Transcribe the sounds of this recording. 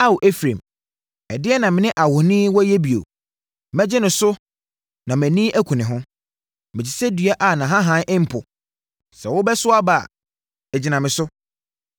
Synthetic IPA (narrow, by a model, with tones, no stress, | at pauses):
a˦wʔe˦fɾḛ̃˨m | ɛ˨dɪ˦ɛ˦nã˨mɪ̃˨nɪ̃˦ʔa˨hʊ˨nɪ̃ː˦wɔ˦jɛ˦bi˨o̰˨ | mɛ̃˦d͡ʑɪ˦nʊ̃˨sʊ˦ | nã˨mæ̃˨nĩ˦ʔæ˦kʷʰũ˨nɪ̃˨ɦʊ̃˦ | mɪ̃˨t͡ɕɪ˨sɛ˦dɥa˦ʔa˨nã˨ɦã˦ɦã˦ʔɪ̃˦m̩˦pʰʊ˨ | sɛ˨wʊ˦bɛ˦sʊ˦a˦ba˦˨ | ɛ˨d͡ʑi˨nã˨mɪ̃˨sʊ˦